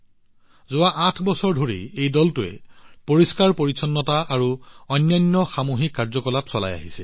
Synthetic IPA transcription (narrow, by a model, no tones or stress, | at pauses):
zʊwaʔãtʰbɔsɔɹdʱoɹijejdɔltʊɛ̰poɹiskaɹpoɹisʰɔnːɔtaːɹuɔnːɔjnːɔxamuɦikːaɹzɔkɔlapsɔla̰ja̰ɦisɛ